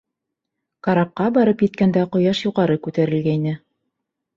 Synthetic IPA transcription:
kɑɾɑp̚qɑbɑɾɤpjɘ̆t̪kænd̪æqŏjɑʃjuʁɑɾɤkʉt̪æɾɘ̆lɡæinɘ

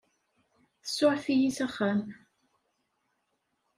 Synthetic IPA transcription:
θəsːʊɾθijisæχːæm

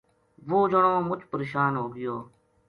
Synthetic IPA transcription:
ʋoːd͡ʒəɳoːmʊt͡ʃʰpəɾeːʃaːnɦoːɡɪjoː

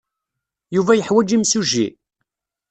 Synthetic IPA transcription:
juvæjəħwæd͡ʒimsuʒḭ

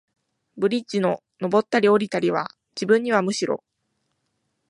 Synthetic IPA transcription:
bɯ̟ɾʲit͡ɕino̞ | no̞bo̞t̪ːaɾʲio̞ɾʲit̪aɾʲiβ̞a̰ | d͡ʑibɯ̟̃ɲ̟ːiβ̞amɯ̟ɕiɾo̞̰

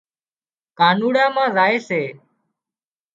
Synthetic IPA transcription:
kaːnuːɽãːmãːzaːeːseː

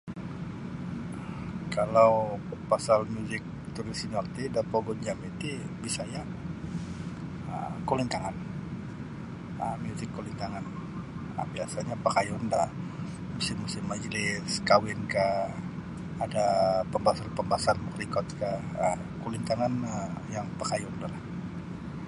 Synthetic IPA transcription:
kalawpasalmjuzɪk̚ | t̪uɾisinalt̪idapɔɡɔɲd͡ʒamit̪i | bisaja | ə̰kolint̪aŋan | əmjuzɪkːolint̪aŋan | ə̰biasaɲapəkajɔnda | musɪmːusɪmːad͡ʒlɪskawɪnkah | adapəmbasalpəmbasanmukrikɔt̪kahə | kulint̪aŋanəjaŋpəkajɔndalah

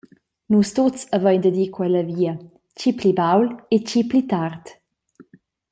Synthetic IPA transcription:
nust̪ot͡savəjnd̪əd̪iːkwɛlɐviːə | t͡ʃiplibawlet͡ʃiplit̪art̪

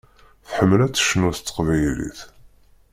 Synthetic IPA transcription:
θħəmːəlæt͡sːə̥ʃnuθt͡s̪ːə̥qvæjlḭθ

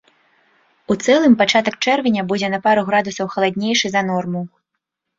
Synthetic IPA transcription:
ut̪sɛlˠɨmpat͡ʂat̪ɐkt͡ʂɛrvʲɛnʲɐbud͡zʲɛnɐpaɾuɣɾad̪usɐwxɐlˠad̪ʲnʲejʂɨzɐn̪ɔrmu

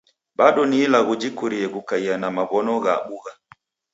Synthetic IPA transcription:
ɓaɗɔniːlaɣud͡ʒikuɾiɛɣukaianamaβɔnɔɣaɓuɣa

